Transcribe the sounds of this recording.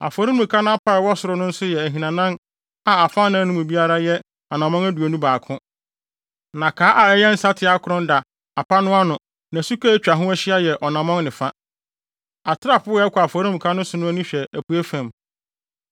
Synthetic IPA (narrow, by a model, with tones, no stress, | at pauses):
a̰˨fɔ˨ɾĩ˦mũ˨kʰa˦nʊ̃˦a˦pʰa˦ɪ˨wɔ˦sʊ˨ɾʊ˦nʊ̃˦n̩˦sʊ˦jɛ˨æ˨ɦĩ˨nã˨nã˦n | a˨a˨fa˦nã˦nʊ̃˦mũ˨bi˦a˦ɾa˦jɛ˦ | ɔ˨nã˨mɔ̃˦ŋæ˦du˨e˨nũ˦baː˨kʰʊ̃˦ | nã˨kʰaː˨˦ʔa˨ɛ˦jɛ˦n̩˦sa˦tʰɪ˨a˦kʰʊ˨ɾʊ̃˦n˦da˨ | a˨pʰa˦nʊ̃˦a˦nʊ̃˨ | nã˨su˦ka˦t͡ɕᶣa˨ɦʊ̃˦æ˦ɕɪ˦a˦jɛ˨ʔɔ˨nã˨mɔ̃˦ŋnɪ̃˨fa˦ | a˨tʰɪ˦ɾa˦˨pʊ˦ɛ˦kʰʷɔ˨a˨fɔ˨ɾi˦mũ˨kʰa˦nʊ̃˦sʊ˨nʊ̃˦æ˦nĩ˦ɕᶣɛ˨æ˨pʰu˨æ˦fæ̃˨m